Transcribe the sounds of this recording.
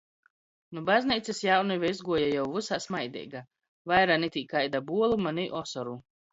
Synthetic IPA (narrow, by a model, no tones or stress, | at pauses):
nubazniːt̪sisjawnuvʲɛizɡuɔjajawvɨsaːsmajd̪ʲɛ̰ːjɡa | vajɾanɛt̪ʲiːkajd̪abuɔlˠumanʲiʔɔsɔɾu